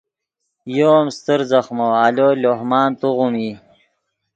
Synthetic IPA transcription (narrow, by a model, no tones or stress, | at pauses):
joːmst̪əɾzɐχmoaloːloɦmaːnt̪uʁumi